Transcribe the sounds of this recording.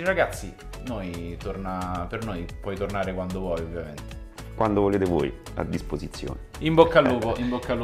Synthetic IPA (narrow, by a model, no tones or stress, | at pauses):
iraɡat̪sːi | nojt̪ornapernojpɔjt̪ornaːɾekwand̪ovwɔjovːjament̪e | kwʔand̪ovoleːt̪evo̰ːj | a̰d̪ːispozit̪sːjo̰ːneimbokːalːuːpoʔimbokːalː